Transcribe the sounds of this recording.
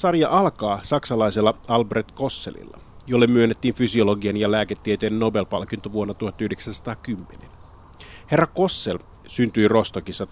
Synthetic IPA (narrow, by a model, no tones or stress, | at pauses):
sɑrjɑʔɑlkɑːsɑksɑlɑiselːɑɑlbret̪ko̞sːḛlḭlːɑ̰ | jolːemːyønːet̪ːiːnfysio̞loɡienjɑlæːket̪ːiet̪eːnːo̞be̞lpɑlkint̪oʋuonːɑt̪uhɑt̪ːɑyhdeksænsɑ̥t̪ɑːkymːenen | he̞rːɑko̞sːel | synt̪yjro̞st̪okisːɑ